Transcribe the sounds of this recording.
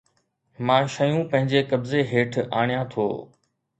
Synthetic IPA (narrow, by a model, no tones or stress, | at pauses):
mãːʃəjũpɐ̃ɦɪ̃ɲd͡ʑekɐbzeɦeːʈʰaːɽ̃ijãt̪ʰo̰ː